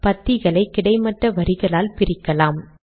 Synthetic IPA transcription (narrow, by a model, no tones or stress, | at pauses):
pɐt̪ːɪɣɐɭɐɪkːɪɽɐɪmɐʈːɐʋɐɾɪɣɐɭaːlpɪɾɪkːɐlaːm